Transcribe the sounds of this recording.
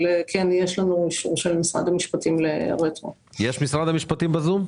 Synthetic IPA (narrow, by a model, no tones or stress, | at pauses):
lekʰenjeʃlanuiʃṵʁʃelmisʁa̰d̪ɐmiʃpɐt̪imleʁet̪ʁo̰ | jɛʃmisʁad̪ɐmiʃpɐt̪imbɐzum